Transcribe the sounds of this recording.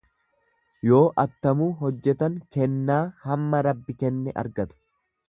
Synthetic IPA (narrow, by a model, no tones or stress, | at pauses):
jo̞ːʔɐt̪ːɐmuːɦɔd͡ʒːɛt̪ɐŋkɛnːaːhɐmːɐɾɐbːɪkɛnːɛʔɐ̰ɾɡɐt̪ʊ̥